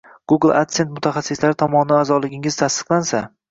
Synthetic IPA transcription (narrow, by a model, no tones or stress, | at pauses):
ɡ̥uɡɨlˠak̚t̪se̞nt̪mʊt̪ʰaχasːɪslaɾɪt̪ʰɒmɒnɪazɒlɪɡʲɪŋɪz̥t̪ʰast̪ɨ̥qlˠansa